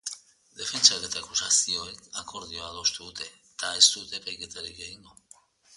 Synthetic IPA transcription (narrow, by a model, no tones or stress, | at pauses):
d̪e̞fe̞nt͡ʃaet̪ekusasio̞ekako̞ɾð̞io̞aðo̞st̪uðut̪e̞ | t̪ae̞st̪ut̪e̞pajke̞t̪aɾikɡejŋɡo